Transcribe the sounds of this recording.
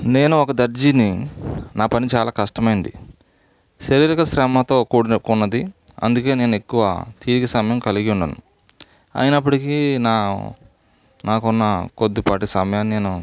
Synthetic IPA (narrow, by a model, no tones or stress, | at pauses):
ne̞ːnuɔkɐd̪ɐɾd͡ʒininaːpɐnit͡ʃaːlaːkɐʂʈɐmɐjind̪ḭ | ʃɐɾiɾikɐsɾɛmɐt̪o̞ːkuːɽkunːɐd̪iɐ̰nd̪uke̞ːne̞ːnue̞kːuʋɐ̰t̪iːɾiɡɐsɐmɐjɐmkɐliɡiuɳɖɐ̰nu | ɐ̰jinɐpːuɽikina̰ː | naːkunːɐkod̪ːipaːʈisɐmɐjaːnːineːnu